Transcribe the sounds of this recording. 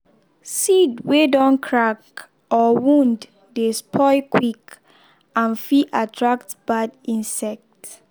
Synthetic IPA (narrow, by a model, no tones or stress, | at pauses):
sidwedɔ̃nkʰɹak | ɔwũndː | espʰɔɪkwik | ãnfiʔatʰɹak̚tb̥adĩnsɛk̚t